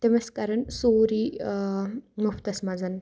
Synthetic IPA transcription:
t̪emɐskɐɾɐnsoːɾi | muft̪ɐsmɐzɐn

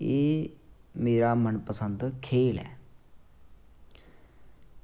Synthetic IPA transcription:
eː | meːɾamənpəsə̃nd̪kʰeːlɛ̰ː

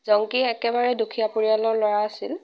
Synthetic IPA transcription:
zɔŋkiɛkɛbaɹɛdukʰijapoɹijalɔɹlɔɹaːsil

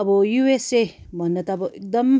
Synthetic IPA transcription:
ʌbʌjuese | bʱʌnːʌt̪ʌʌbʌʔek̚d̪ʌm

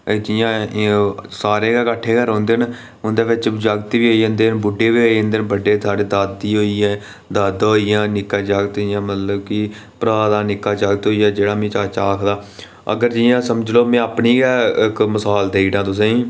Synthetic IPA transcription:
d͡ʒijãː | saːɾeːɡɛːkəʈʰːeːkəɾɦõːnd̪eːn | ʊnd̪eːʋɪt͡ʃd͡ʒaːɡt̪ːʋiːɦoːijə̃nd̪eːnbʊɖeːʋiːoːẽnd̪eːnbəɖːeːsaːɽeːd̪əd̪iːɦoːiɛː | d̪əd̪ɦoːijãːnɪkːãːd͡ʒaːɡt̪ːjãːmət̪ləbkɪ | pɾaːd̪aːnɪkːaːt͡ʃaːɡt̪ɦoːijaːd͡ʒeːɽaːmẽːt͡ʃaːt͡ʃaːkʰd̪aː | ə̰ɡəɾd͡ʒiːjãːsəməd͡ʒloːmɛ̃ːəpniːɡɛːɪkməsaːld̪eːɽãːt̪ʊsẽĩː

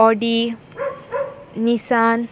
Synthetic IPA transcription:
ɔɖi | nisan

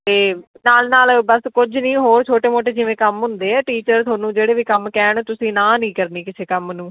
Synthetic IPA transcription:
t̪eː | naːlnaːlbəskʊd͡ʒʱnĩːɦoːɾt͡ʃʰoːʈeːmoːʈeːd͡ʒɪʋẽːkəmɦʊ̃nd̪eːɛːʈiːt͡ʃəɾt̪ʰoːnũːd͡ʒeːɽeːʋiːkəmkɛːɳt̪ʊsĩːnãːnĩːkəɾniːkɪsʰeːkəmnũː

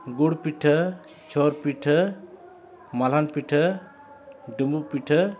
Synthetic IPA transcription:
ɡuɽpiʈʰə | t͡ʃʰɔɾpiʈʰə | malanpiʈʰə | ɖumbupiʈʰə

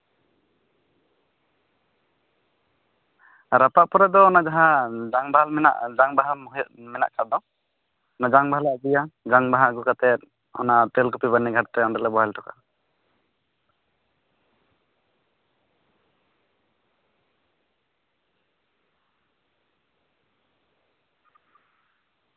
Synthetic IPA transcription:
ɾapaʔpɔɾad̪ɔːnad͡ʒaɦãd͡ʒaŋbalmɛna̰ʔd͡ʒaŋbaɦamɦjmɛna̰ʔkad̪ɔ̃ | ɔnad͡ʒaŋbaɦalaʔbijad͡ʒaŋbaɦaɡukat̪ɛt̪̚ | ɔ̰naʔt̪ɛlkupibanːiɡʱaʈt̪ɛɔnd̪ɔlɛbɔɦɛlʈʰɔka̰

